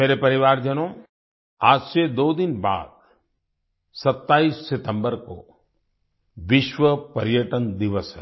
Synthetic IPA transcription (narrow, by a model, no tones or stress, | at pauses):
meːɾepɐɾɪʋaːɾd͡ʒənõː | aːd͡ʒsed̪oːd̪ɪnba̰ːd̪̚ | sɐt̪ːaːiːsːɪt̪ə̃mbəɾko̰ | ʋɪʃʋəpɐɾjəʈənd̪ɪʋəsɦɛ̰